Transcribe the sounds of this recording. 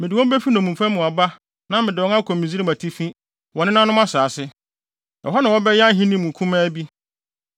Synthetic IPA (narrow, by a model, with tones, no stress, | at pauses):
mɪ̃˨dɪ˨wɔ̃˦m˦bɛ˦fi˦nɔ̃˨mũ˨mfã˦mʊ̃˨a˨ba˦ | nã˦mɪ̃˨dɪ˨wɔ̃˦ŋa˦kʰɔ̃˨mːĩ˨zi˦ɾi˦ma˨tʰi˦fĩ˦ | wɔ˨nɪ̃˦nã˦nʊ̃˦m˦a˦saː˨sɪ˦ | ɔ˨ɦɔ˦nã˨wɔ˦bɛ˦jɛ˦a˦ɦĩ˦nĩ˦mũ˨kʰũ˦mã˦bi˦